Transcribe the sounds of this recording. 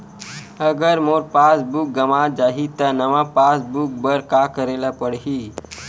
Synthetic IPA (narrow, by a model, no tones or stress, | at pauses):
əɡəɾmoɾpasbuk̚ɡəmad͡ʒaɦit̪ənəʋãpasbuk̚bəɾkakəɾelapəɽɦiː